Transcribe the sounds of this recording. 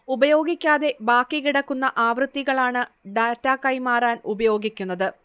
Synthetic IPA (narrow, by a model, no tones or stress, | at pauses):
ubɐjo̞ːɡikʲːaːðe̞baːkːikiɽɐkːunːɐʔaːʋrɨt̪ːiɣɐɭaːɳɨɖaːtːaːkɐjmaːraːnubɐjo̞ːɡikʲːunːɐðɨ